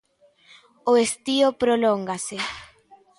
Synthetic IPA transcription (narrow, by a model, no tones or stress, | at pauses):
oest̪iopɾoloŋɡase